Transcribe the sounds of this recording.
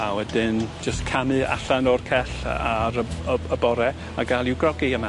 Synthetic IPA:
awɛdɪnd͡ʒəskʰamɨa̰ɬanɔrkʰɛɬaɾəəəbɔɾɛ | aɡalˠiwɡrɔɡiəma

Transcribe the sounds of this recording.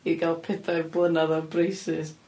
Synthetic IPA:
iɡalˠpʰɛθajrblˠənaðɔbrejsɪs

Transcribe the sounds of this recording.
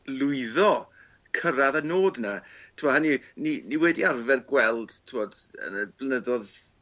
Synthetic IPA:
lˠʊɨðɔ | kʰəɾaðanoːdnatʰɪmɔhanininiwɛdiarvɛrɡwɛlˠd̥tʰɪmɔd̥ə̰nəb̥lənəðɔð

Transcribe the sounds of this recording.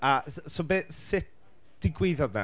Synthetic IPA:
asobeːsɪt̚ | d̥ɪɡweɨðɔdna̰

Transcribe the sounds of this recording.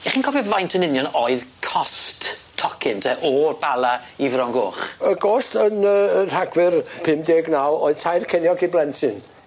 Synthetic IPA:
ɛχiːnkʰɔvjɔvajntʰənɪnjɔnoɨðkʰɔsttʰːɔkʰɪntʰɛʔɔrb̥alˠaivrɔŋɡoːχəɡoːstənər̥aɡwɪrpʰɪmdeːɡnawoɨðtʰajrkʰɛnjɔɡʰiblɛnsɪn

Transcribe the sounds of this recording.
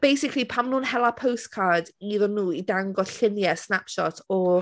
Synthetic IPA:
b̥ejsɪkʰlipʰamnuːnhɛlˠapʰowstkʰadiðənːuːidaŋɡɔɬɪnjɛsnapʃɔtʰɔ

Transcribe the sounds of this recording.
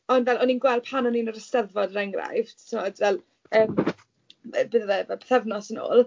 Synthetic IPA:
ɔndvɛlˠɔninɡwɛlˠpʰanɔninəɾəstɛðvɔdəɾɛŋɡra̰jv̥tʰəmɔd̥vɛlˠ | əːm | əbəːðəðɛvɛlpʰɛ̥θɛvnɔsəno̰ːlˠ

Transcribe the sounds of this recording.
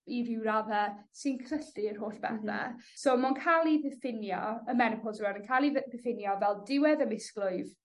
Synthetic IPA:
iɾɪwɾaðɛsɪnkʰrəɬɪr̥ɦoːɬb̥ɛ̰θɛ̰somankʰalˠiðɪfɪnjɔ̰əmɛnəpʰɔzanənkʰalˠiðɪfɪnjɔvɛlˠdɪwɛðəmɪsklʊɨð

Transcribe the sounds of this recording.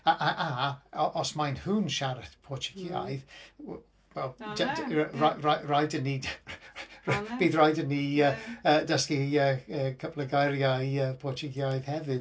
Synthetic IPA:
aʔaʔaɔʔɔsmajnhuːnʃaɾəθpʰɔt͡ʃɪ̥ɡʰia̰jð | wɛlˠ | ɹaraɹajdəni | b̥iːðɹajdəniəədəskiəəkʰəpləɡajɾjaəpʰɔt͡ʃɪɡjajð̥hɛvɪ

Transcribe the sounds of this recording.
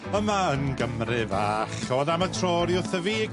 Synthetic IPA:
əmaənɡəmrɪvaːχɔðamətʰroːɾjʊθəviːɡ

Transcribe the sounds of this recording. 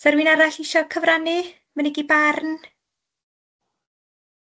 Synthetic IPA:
sɛɾwinaɾaɬɪʃɔkʰəvranɨ | mənɛɡibarn

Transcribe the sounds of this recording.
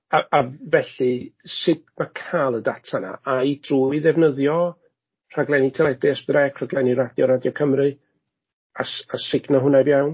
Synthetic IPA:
aavɛɬɨsɪdmakʰalˠədatʰana̰ajd̥ruːiðɛvnəðjɔ | r̥aɡlˠɛnitʰɛlˠɛdɛsðrɛkʰr̥aɡlɛniɾadjɔɾadjɔkʰəmrɨ | asasɪɡnaɦʊnabjawn

